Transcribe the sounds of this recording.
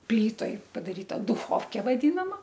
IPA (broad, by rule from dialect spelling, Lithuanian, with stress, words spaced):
ˈpʲlʲiːtoːj pɐdɐˈrʲiːtɐ dʊxoːwkʲeː ʋɐˈdʲɪnɐmɐ